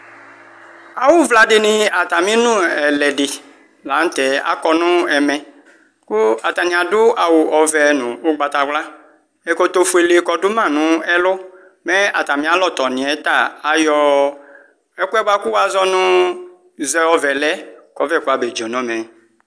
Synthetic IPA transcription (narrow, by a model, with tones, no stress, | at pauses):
a˨wʊ˦vla˨dɪ˨nɪ̃˨a˨t̪a˨mĩ˦nʊ̃˦ɛ˨lɛ˨ɖɪ˨ | la˨˦n̩˦t̪ɛ˨a̰˨kɔ˨nʊ̃˦ɛ˨mɛ̃˨ | kʊ˦a˨t̪a˨nĩ˨a˨dʊ˦a˨wʊ˨ʔɔ˨vɛ˨nʊ̃˨ʊ˦ɡ͡ba˨t̪a˨ɡ͡bla˦ | ɛ˨kɔ˦t̪o˨˦fu˨˦e˨le˨˦kɔ˨dʊ˦mã˦˨nʊ̃˦ɛ˦lʊ˦ | mɛ̃˦a̰˨t̪a˨mĩ˦a˦lɔ˦t̪ɔ˨nĩ˨ɛ˨˦t̪a˦˨a˨jɔ˨ | ɛ˦ku˦ɛ˦ba˦ku˦wa˦zɔ˦nʊ̃˦ | zɛ˦ɔ˨vɛ˨lɛ˦kɔ˨vɛ˦˨ku˦a˨be˨d͡ʒɔ˨nɔ̃˦mɛ̃˨